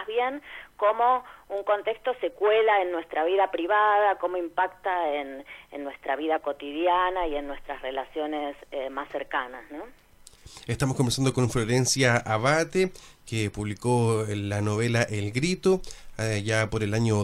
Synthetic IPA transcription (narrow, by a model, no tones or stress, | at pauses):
βjenkomo̞uŋko̞nt̪ekst̪o̞sekwelaenːwest̪ɾaβiðapɾiβaðako̞mo̞impakt̪aenenːwest̪ɾaβ̞iðako̞t̪iðjanaienːwe̞st̪ɾasrelasjo̞nesemasːeɾkanasno | est̪amoskombeɾsand̪oko̞nfloɾensjaʔaβat̪ekepuβlikolano̞βelaʔelɣɾit̪oʒapoɾelaɲo